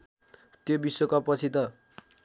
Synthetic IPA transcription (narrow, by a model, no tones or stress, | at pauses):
t̪jobisokapʌt͡sʰit̪ʌ